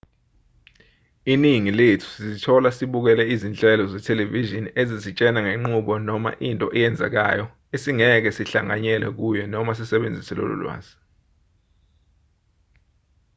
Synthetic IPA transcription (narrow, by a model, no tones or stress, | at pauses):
iniŋiletʰu̥sizitʰɔlasiɓuk̬ɛlɛizint͡ɬʼɛlɔzɛtʰɛleviʒiniezizit͡ʃʼɛnaŋeŋ͡ǃuɓɔnɔma̰ʔintʼɔʔɛjɛnd͡zʱɛ̰k̬a̰jɔ | esiŋɛk̬ɛsiɬaŋa̰ɲɛlɛ̰k̬ujɔnɔmas̬isɛɓend͡zʱisɛlo̰lṵlwa̰ːzi̥